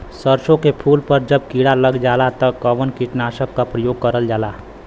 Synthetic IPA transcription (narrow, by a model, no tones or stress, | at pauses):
səɾʃõkepʰuːlpəɾd͡ʒəb̚kiɽaləɡd͡ʒaːlat̪əkəʋənkiʈnaːʃəkːapɾəjoːɡ̚kəɾəld͡ʒaːlaː